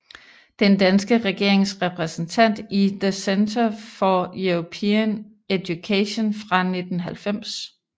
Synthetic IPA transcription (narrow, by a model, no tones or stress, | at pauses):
d̥end̥ænsɡ̥əʁɛɡ̥e̝ɐ̰eŋsʁɛpʰʁɛsn̩t͡sʰæn̰d̥iðəsent͡sʰɐfɒjuʁopʰeən | ed̥jukʰeɕo̝nfʁɑ̈ne̝d̥n̩ɦælfem̰s